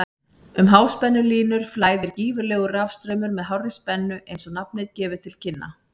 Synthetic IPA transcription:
ʏmɦaːwspɛnːʏliːnʏɾ̥flaːjðɪɾciːvʏlɛːɣʏrafst̪ɾœːɥmʏɾmɛðɦawrːɪspɛnːʏʔejnsɔnap̚nɪðcɛːvʏ̥t̪ʰɪl̥cʰɪnːa̰

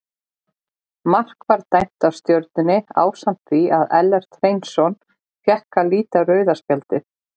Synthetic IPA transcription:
mar̥kvaɾt̪ajn̥t̪awst̪jœɾt̪̚nɪnɪa̰ːwsam̥t̪θiaðɛlːaɾ̥t̪ʰɾejnsɔn | fjɛhkaliːt̪arœːɥðaspjalt̪ɪ

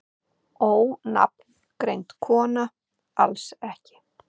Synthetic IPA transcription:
oːwna̰pn | kɾejnt̪kʰɔːna | a̰lsɛhcɪ̥

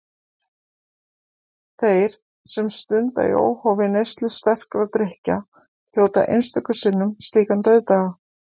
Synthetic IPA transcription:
θejɾ̥ | sɛmst̪ʏnt̪a̰ḭʔo̰ːwhɔːwvɪnejst̪lʏst̪ɛr̥kat̪ɾehca | θjoːwt̪a̰ʔḛjnst̪œkʏsɪnːʏmst̪iːkant̪œɥðt̪aːɣa

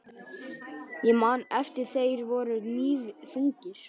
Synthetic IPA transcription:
jɛmanɛft̪ɪɾ̥θeːjɾvɔːɾʏniːðθʏɲcɪɾ̥

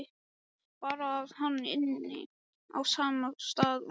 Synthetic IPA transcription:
pɑːɾaðhɑnːɪnːɪ̰ | a̰wsaːmast̪ɑːð

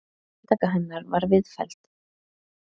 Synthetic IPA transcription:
t̪ʰaːkaɦɛnːaɾvaɾvɪðfɛ̰l̥t̪

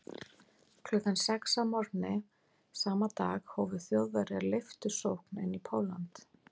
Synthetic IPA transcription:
kʰlʏːkansɛksamɔɾt̪nɪ | saːmat̪aːɣhoːwvʏθjowðvaɾɪaɾlejft̪ʏsowhknɛnːipʰowla̰nt̪

